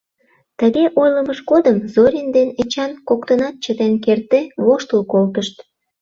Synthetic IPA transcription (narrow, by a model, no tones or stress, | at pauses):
t̪əɣeʔojləməʃkod̪əmzoɾʲind̪enet͡ɕɑnkokt̪ənɑt̪̚t͡ɕət̪enkert̪eβoʃt̪əlkolt̪əʃt̪